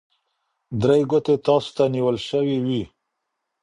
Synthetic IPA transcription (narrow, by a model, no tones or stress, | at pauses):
d̪ɾajɡʊt̪et̪ɑst̪aniwəlʃəwiwi